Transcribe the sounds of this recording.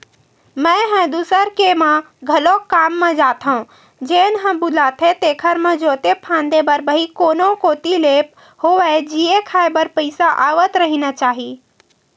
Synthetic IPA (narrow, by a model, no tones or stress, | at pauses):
mə̃ɦɛ̃d̪uːsəɾkemã | ɡʱəlokaːmːẽd͡ʒaːt̪ʰaũ | d͡ʒeːnɦə̃bʊlat̪ʰẽt̪eːkʰəɾmẽd͡ʒoːt̪epʰãːnd̪ebəɾbəikoːnokoːt̪ileːp̚ | hoʋɛd͡ʒiekʰaːebəɾpəɪsaʔaːʋət̪ɾəɦinat͡ʃaːɦi